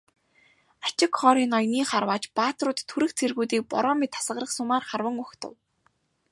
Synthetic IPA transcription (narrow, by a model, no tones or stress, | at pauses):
at͡ɕɪ̆kχɔːɾiːnɔjniːχarwaːt͡ɕpaːt̪rʊːt̪ʰːuɾɘ̆xt͡sʰerɣuːt̪̬iːk̚pɔ̰ɾɔːmit̪ʰːḁsə̆rə̆χsʊmaːrχarwə̆ŋʊxt̪ʰə̰̆w